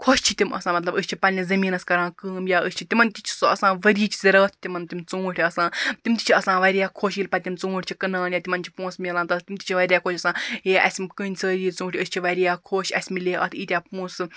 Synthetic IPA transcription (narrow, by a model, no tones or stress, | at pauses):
kʰoʃt͡ʃʰit̪ʲimɐ̰sãːmɐt̪lɐbɨst͡ʃʰipɐnʲizɐmiːnɐskɐɾãːkɨːmjaːəst͡ʃʰit̪ʲimɐnt̪it͡ʃʰi̥soɐsãːʋɐɾiːt͡ʃʰi̥zʲɐɾəːt̪ʰt̪ʲimɐnt̪ʲimt͡suːʈʰʲiɐsãːt̪imt̪ʲi̥t͡ʃʰiɐsãːʋɐɾʲijaːkʰoːʃjilʲpɐt̪ʲimt͡sũːʈʰʲt͡ʃʰikɐnaːnjaːt̪ʲimɐnt͡ʃʰi̥pũːnsmʲilaːnt̪ɐt̪imt̪i̥t͡ʃʰiʋɐɾʲjaːkʰoːʃɐsãːeʔɐ̰sʲmʲkɨnʲsʰɐɾiːt͡sũːʈʰʲəsʲt͡ʃʰiʋɐɾijaːkʰoːʃɐsʲmilʲeːʔɐ̰t̪ʰiːt̪ʲjaːpũːsɨ